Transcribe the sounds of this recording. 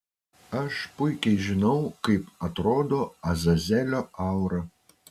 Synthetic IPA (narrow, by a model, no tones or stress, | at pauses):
ɐʃpʊjkʲɛɪʒʲɪnɐʊkɐɪpɐt̪ɾoːd̪oɐzɐzʲɛlʲoɑwɾɐ